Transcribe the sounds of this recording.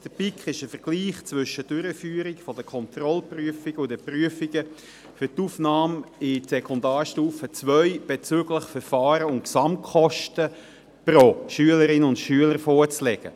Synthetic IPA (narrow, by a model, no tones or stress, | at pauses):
d̥əpikχɪʃəfəɾɡ̥liːχt͡svʏʃəd̥øɾəfyːɾikfɔd̥əkʰɔnt̪rɔlpryəfiɡ̥əʊdəpryəfɪɡ̥ə | fytufnɑːmɪsɛkʰɔndaːɾʃtuːfət͡svœʏb̥et͡søɡləχfəɾfɑːɾəʊnksɑmʰχɔʃtə | pɾoʃyələɾɪnʊntʃyələɾfɔːɾt͡slɛɡ̥ə̰